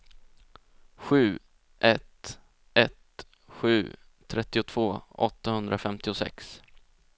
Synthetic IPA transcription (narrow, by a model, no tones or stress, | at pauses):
ɧʉ̟ː | ʔɛt̪ | ʔɛt̪ | ɧʉ̟ː | t̪ʰɾɛt̪ːɪʊt̪ʰv̥oːɔ̰t̪ːahɵnd̪ɾʔafɛmt̪ɪʊsɛ̰ks